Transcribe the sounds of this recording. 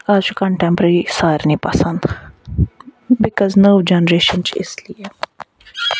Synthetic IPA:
ad͡ʒkə̃ɳʈɛ̃mpɾeɾisaːɾnĩːpɐsə̃nd̪ | bɪkɔːznoːd͡ʒɛnɾeːʃənt͡ʃɪ̰sliɛ

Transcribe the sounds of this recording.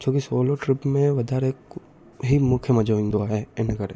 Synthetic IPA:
t͡ʃʰoːkisoːloʈɾɪpmẽʋɐd̪ʱɛːɾeːk | ɦimʊkʰjəmɐd͡ʒoːʋɪ̃ŋɡd̪oaɦɛɪnkɐɾ

